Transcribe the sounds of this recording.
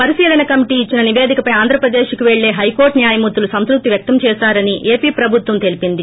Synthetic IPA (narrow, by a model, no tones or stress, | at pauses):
pɐɾiʃiːlɐnɐkɐmiʈiːit͡ʃːinɐniʋeːd̪ʱikɐpɐjaːnd̪ɾɐpɾɐd̪eːʃkuʋeɭːe̞ːɦɐjko̞ːɾʈnjaːjɐmut̪ːulusɐnsɾuk̚t̪iʋjɐk̚t̪ɐmt͡ʃɛːsaːɾɐniʔeːpiːpɾɐbʱut̪ʋɐmt̪e̞lipind̪i